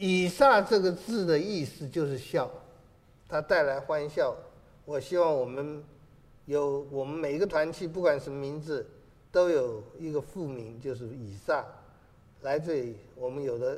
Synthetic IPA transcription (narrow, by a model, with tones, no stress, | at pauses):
i˨˩sa˥˧ʈ͡ʂɤ˥˩ɡə˩t͡sɹ̩˥˩d̪ə˩i˥˩sɹ̩˨t͡ɕjo˥˧ʊʂ̬ɻ̩˥˧ɕjɑ˥˩ʊ | t̪ʰa˥t̪a˥˩ɪla˧˥ɪxwa˥nɕjɑ˥˩ʊ | wɔ˨˩ɕi˥wɑ˥˩ŋwɔ˨˩mə˦n | jo˧˥ʊwɔ˨˩mə˦nme˨˩ɪ˧˥ɡə˧t̪ʰwa˧˥nt͡ɕʰi˥˧p̬u˥˩kwa˨˩nʂə˧˥mə˦˧mi˧˥nd͡zɹ̩˨˦ | t̪o˥ʊjo˨˩ʊi˧˥ɡə˧fu˥˩mi˧˥nt͡ɕjo˥˧ʊʂ̬ɻ̩˥˩i˨˩sa˥˩ | la˧˥ɪt͡se˥˩wɔ˨˩mə˦njo˨˩ʊd̪ə˦